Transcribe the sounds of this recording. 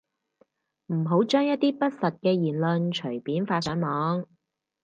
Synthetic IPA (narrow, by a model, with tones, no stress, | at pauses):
m̩˨˩ɦo˨˥wt͡ʃœː˥ŋjɐ˥t̪̚ːiː˥pɐ˥t̚sɐ˨t̚kɛː˧jiː˨˩nlɵ˧nt͡ʃʰɵ˨˩ɥpiː˨˥nfaː˧sœː˨˥ŋmɔː˨˥ŋ